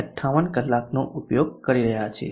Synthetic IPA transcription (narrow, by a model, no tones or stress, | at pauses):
əʈʰaʋənkəlːaknoʔupjoɡkəɾiɾəɦjat͡ʃʰḛ